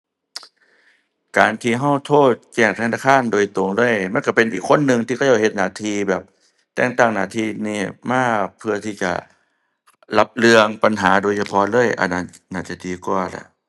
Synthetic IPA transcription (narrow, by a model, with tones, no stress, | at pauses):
kaː˨nt̪ʰiː˧ɦa˧˥˩wt̪ʰoː˧˥˩t̪̚kɛː˧˩ŋt̪ʰɛː˧˩˨naː˧kʰaː˧˥˨ndoː˨jt̪o˨˦ŋlɤː˧˥˨jma˧˥˨nka˧˩pe˧˨nʔiː˨˩kʰːo˧˥˨nːɯ˧ŋt̪ʰi˧kʰɔ˧˥˩jaː˧˩whe˧t̪̚naː˨˦t̪ʰiː˧bɛː˨˩p̚ | t̪ɛː˧˩ŋt̪aː˧˩ŋnaː˨˧˦t̪ʰiː˧˩niː˧˩maː˧˥˩pʰɯ˧ɐt̪ʰiː˧˩t͡ɕa̰˨˩ | la˧˦p̚lɯ˧əŋpa˨nɦaː˩˦doː˨˧˦jt͡ɕʰa˧pʰɔ˧˥lɤː˥˨jʔa̰˨˧˩nːa˧˩n | naː˧˥˩t͡ɕa˨˧˩diː˨˧kwaː˧˩lɛ̰˧˩˦ʔ